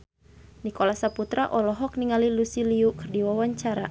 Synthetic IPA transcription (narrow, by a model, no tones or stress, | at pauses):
nikɔlasaput̪ɾaʔɔlɔɦɔk̚niŋalilusiliukɨrdiwawaɲt͡ʃaɾa